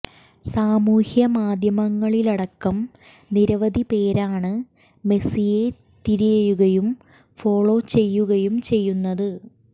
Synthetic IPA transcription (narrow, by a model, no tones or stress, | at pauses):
saːmuːhjɐmaːd̪ʱjɐmɐŋːɐɭilɐɽɐkːɐm | niɾɐʋɐd̪ʱipe̞ːɾaːɳɨ | me̞sije̞ | t̪iɾijejuɣɐjum | fo̞ːɭo̞ːt͡ɕe̞jːuɣɐjumt͡ɕe̞jːunːɐðɨ